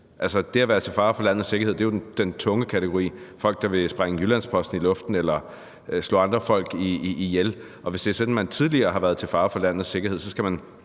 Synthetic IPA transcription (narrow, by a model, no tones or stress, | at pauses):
ʔælsəd̥e̝æʋæːɐð̩ˠt͡sʰe̝lfɑ̈ːfɒ̽læn̰ð̩ˠse̝ɡɐhe̝ð̰ˠd̥ejo̥d̥ent͡sʰɔ̽ŋəkʰæt͡sʰeɡ̥o̝ʁḭːfɒ̽l̰ɡ̥̚d̥ɑ̈ʋe̝sb̥ʁaŋəjylænspʰɒ̽sd̥n̩ilɔ̽fd̥n̩elɐ | slɔ̰ːɑ̈nd̥ʁɐfɒ̽l̰ɡ̥iːjel | ʔɒ̽ʋe̝sd̥e̝æɐsɒ̽d̥n̩mænt͡sʰiðˠliɐːɦɑ̈ʋæɐðˠt͡sʰe̝lfɑ̈ːfɒ̽læn̰ð̩ˠse̝ɡ̥ɐhe̝ð̞̰ˠsɒ̽sɡ̥æmæn